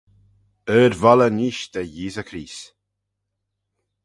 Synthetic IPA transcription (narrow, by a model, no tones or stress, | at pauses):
øːɾvɔləniʃd̪əjiːzəkʰɾiːs